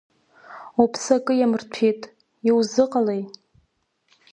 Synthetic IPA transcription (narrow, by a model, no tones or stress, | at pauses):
upʰsakʼɨjamɨrtʰitʼ | iwzɨqʼalej